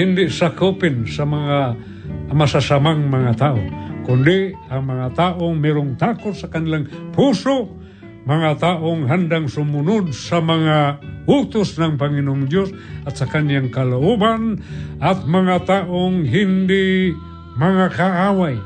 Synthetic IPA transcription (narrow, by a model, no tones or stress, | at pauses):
ɪndɪʔsakupɪnsamaŋaː | masasamaŋmaŋat̪aʔʊ̰kʊndɪ | aŋmaŋat̪aʔʊŋmɛɾʊŋt̪akʊt̪̚sakanlaŋpusʊʔ̚ | maŋat̪aʔʊŋɦandaŋsumunʊd̚samaŋaʊt̪ʊsnaŋpaŋinʊŋdjosat̪sakanjaŋkalaubanat̪̚maŋat̪aʔʊŋɦɪndɪʔ | maŋakaawaj